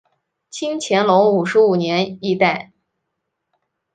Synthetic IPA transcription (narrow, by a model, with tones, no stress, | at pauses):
t͡ɕʰi˥ŋt͡ɕʰjɛ˧˥nlʊ˧˥ŋu˨˩ʂɻ̩˧˥u˨˩njɛ˧˥ni˥˧t̪a˥˩ɪ